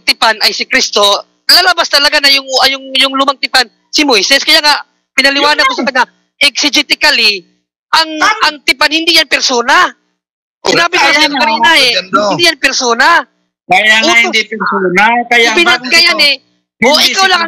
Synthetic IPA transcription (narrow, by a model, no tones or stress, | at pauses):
t̪ɪpanɐjsɪkɾist̪o̞ | lɐlɐbast̪ɐlɐɡanɐjʊŋʔɐjʊŋjʊŋlʊmaŋt̪ɪpan | sɪmojsɛskɐjaːŋaʔ | pɪnɐlɪwaːnɐd̪̚kosɐkɐnɐ | ʔɛk̚sɪd͡ʒɪt̪ɪkɐli | ʔɐŋʔɐŋt̪ɪpanhɪnd̪ijɐnpɛɾso̞ːnɐ | sɪnaːbɪasinokɐniːnɐɛhɪnd̪ijanpɛɾsoːna | aʔʊːt̪odiɛsonakɐjbɪnat̪̚kɐjanɛ | ʔoʔɪkawlɐŋ